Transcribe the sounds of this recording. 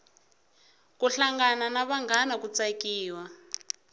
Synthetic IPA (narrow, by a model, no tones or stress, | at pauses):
kuɬaŋɡananaβaŋɡanakut͡sakiːwa